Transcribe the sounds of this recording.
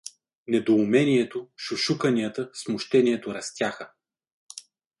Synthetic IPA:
nɛd̪oːmɛniɛt̪oʃʊʃukɐnijət̪əsmʊʃt̪ɛniɛt̪oɾɐst̪ʲjaxə

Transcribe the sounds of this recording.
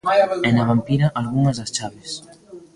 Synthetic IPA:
enaβampiɾaʔalɣuŋazðast͡ʃaβes

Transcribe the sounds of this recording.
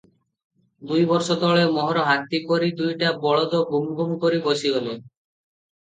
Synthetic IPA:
d̪ujbɔɾʃɔd̪ɔɭemɔɦɔɾoɦat̪ːikoɾid̪ujʈabɔɭod̪obumɡumkoɾiboʃiole

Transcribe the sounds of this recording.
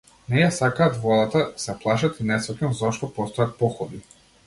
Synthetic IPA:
nɛjasakaːt̪vlˠɔd̪at̪asɛplˠaʃat̪inɛsɔkʲɛnzɔʃt̪ɔpɔst̪ɔjat̪̚pɔxɔd̪i

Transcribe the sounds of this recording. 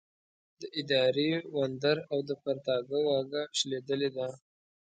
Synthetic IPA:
d̪əʔɪd̪ɑɾewand̪aɾawd̪əpaɾt̪ɑɡəwɑɡaʃled̪əled̪a

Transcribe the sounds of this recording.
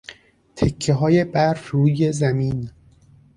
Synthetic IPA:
t̪ʰekʰːeɦɒːjebæɾɾuːjezæmiːn

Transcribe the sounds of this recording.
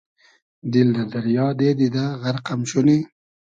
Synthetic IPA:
d̪ilnad̪aɾjɑːd̪ed̪id̪aɣaɾqamʃuni

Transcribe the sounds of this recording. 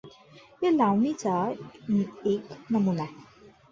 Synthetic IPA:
jalawnit͡sa | eknəmunaɦe

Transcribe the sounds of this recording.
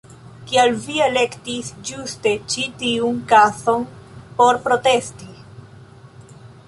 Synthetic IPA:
kialviele̞ktisd͡ʒuste̞t͡ʃitiunkaso̞npo̞ɾpɾo̞te̞sti

